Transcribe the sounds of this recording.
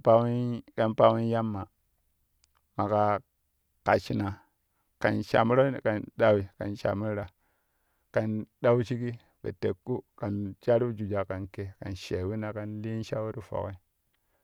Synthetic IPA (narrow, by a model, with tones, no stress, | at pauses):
pa˦wi˦ka˨npa˦wi˦n˦ja˦mːa˨ | ma˨ka˨ | ka˨t͡ʃi˨na˨ | ka˨nʃa̰˨mu˦ɾa˦˨ka˨nɗa˦wi˨ka̰˨nʃa̰˨mi˦ɾɾa˨ | ka˨nɗa˦wi˦t͡ʃi˦ki˦ | bḛ˨te˨kːu˦ka˨nt͡ʃa˦ɾi˦bd͡ʒu˨d͡ʒa˨ka˨nke˨ka̰˨nʃe˨wi˦na˨ka˨nli˦n˦ʃa˦wu˦ɾi˦fo̰˨ke˦